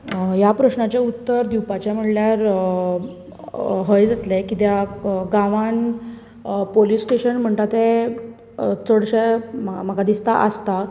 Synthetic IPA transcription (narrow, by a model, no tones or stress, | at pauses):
japɾəɕɳat͡ɕeut̪ːəɾd̪iwpat͡ɕjam̤əɽljaɾ | ɦəjd͡zat̪lekit̪jaɡãʋan | polisʈeɕənm̤əɳt̪at̪e | t͡səɽɕemm̤əɡad̪ist̪aʔəst̪a